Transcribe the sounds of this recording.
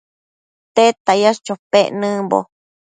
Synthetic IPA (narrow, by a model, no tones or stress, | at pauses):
t̪et̪ajast͡ʃopeʔnɨ̃mbo̰